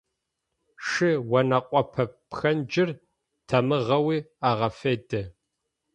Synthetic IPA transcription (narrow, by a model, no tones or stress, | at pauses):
ʂɨwɐnɐqʷʼɔpʰɐpxɐnd͡ʒɪr | tʰɐmɨʁɐwiːaːʁɐfeːdɐ